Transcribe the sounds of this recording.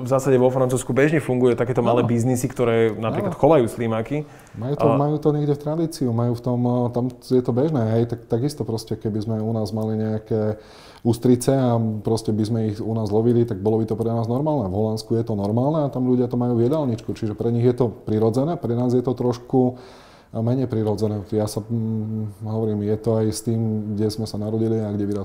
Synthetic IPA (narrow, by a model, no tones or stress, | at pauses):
vzaːsaɟɛʋɔfɾant͡suːskubɛʒɲɛfuŋɡujɛt̪akɛːt̪ɔmalɛːbiznisikt̪ɔɾɛːnapɾik̪laat̪xɔʋajuːslimaki | majuːt̪ɔmajuːt̪ɔɲɛɡɟɛft̪ɾad̪iːt͡siumajuːft̪ɔmt̪amjɛt̪ɔbɛʒnɛːɦɛjt̪ak̚t̪aɡist̪ɔpɾɔscɛkɛbizmɛunaːzmaliɲɛakɛ | ust̪ɾit͡sɛapɾɔscɛbizmɛiɣunaːzlɔʋilit̪aɡ̚bɔlɔbit̪ɔpɾɛnaːznɔɾmaːlˠnɛvɦɔlanskujɛt̪ɔnɔɾmaːlnɛat̪amʎuɟɪat̪ɔmajuːʋɪɛd̪alɲit͡ʃkut͡ʃiʒɛpɾɛɲiɣjɛt̪ɔpɾiɾɔd͡zɛnɛːpɾɛnaːzjɛt̪ɔt̪ɾɔʃku | mɛɲɛjpɾiɾɔd͡zɛnɛːjasa | ɦɔʋɔɾiːmjɛt̪ɔajst̪iːmɡɟɛzmɛsanaɾɔɟiliaɡɟɛʋiɾa